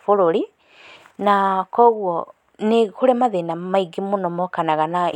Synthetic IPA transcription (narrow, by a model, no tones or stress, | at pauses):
foɾoɾi | nakɔɣwɔ | nexoɾemaðenamaiɡimonɔmɔkanaɣana